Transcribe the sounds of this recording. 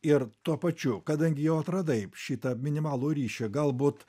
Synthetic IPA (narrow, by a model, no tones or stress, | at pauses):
ɪɾt̪uɔpɐt͡ʃʲʊkɐd̪ɐŋʲɡʲɪjɛʊɐt̪ɾɐd̪ɐɪʃʲiːt̪ɐmʲɪnʲɪmɑːlˠuːɾʲiːʃʲɛɡɐlˠbuːt̪